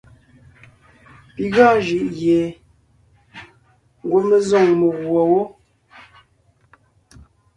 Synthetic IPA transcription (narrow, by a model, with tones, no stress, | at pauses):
pi˨ɣa˦˨ʒi˨ʔɣje˨ | ŋ˨ɡo˦mə˦zo˦˨ŋmə˨ɣwo˨wo˦